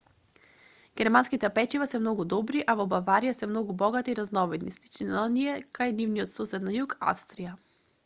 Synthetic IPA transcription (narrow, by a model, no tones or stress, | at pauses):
ɡ̥ʲɛɾmanskit̪ɛpɛt͡ʃivasɛmnɔɡud̪ɔbɾiʔavɔbavaɾijasɛmnɔɡubɔɡat̪iːɾaznɔvɛd̪nislit͡ʃinaniɛkajnivnijɔt̪sɔsɛd̪najuka̰fst̪ɾija